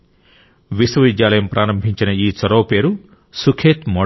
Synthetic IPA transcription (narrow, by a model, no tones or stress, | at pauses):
ʋisʋɐʋid̪jaːlɐjɐmpɾʔaːɾɐmbʱiɲt͡ʃinɐiːt͡ʃɐɾoːpe̞ːɾu | sukʰeːt̪mɔ